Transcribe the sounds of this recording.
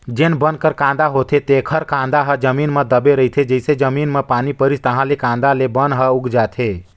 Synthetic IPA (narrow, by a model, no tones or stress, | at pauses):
d͡ʒenbənkəɾkãnd̪aɦot̪ʰet̪ekʰəɾkãnd̪aɦəd͡ʒəminmed̪əbeɾəɦit̪ʰed͡ʒəsed͡ʒəminmepanipəɾist̪əɦãlekãnd̪alebənɦəuɡd͡ʒat̪ʰe